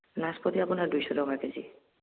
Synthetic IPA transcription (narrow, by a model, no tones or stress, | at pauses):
naʃpot̪iapunaɾd̪ujʃɔdɔŋaked͡ʑḭ